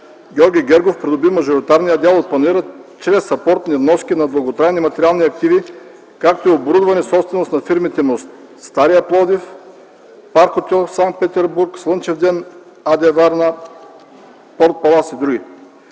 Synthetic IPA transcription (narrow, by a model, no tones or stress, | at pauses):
ɡʲɔɾɡʲiɡʲɛɾɡofpɾid̪obimɐʒoɾit̪aɾnijəd̪ʲalˠot̪̚plˠɐniɾət͡ʃɾɛsɐpɔɾt̪nivnɔskʲinɐb̪lˠɐɡot̪ɾaɛnimɐt̪ɛɾialˠniɐk̚t̪ivi | kak̚t̪oiobɾud̪vɐnɛsɔpst̪vɛnost̪nɐfiɾmit̪ɛnost̪ | st̪aɾijɐplˠɔd̪if | paɾxot̪ʲɔsaŋkt̪̚pɛt̪ɛɾbuɾkslˠɤnt͡ʃɛvd̪ɛn | ad̪ʲɛvaɾna | pɔɾt̪̚palˠasid̪ɾuɡʲi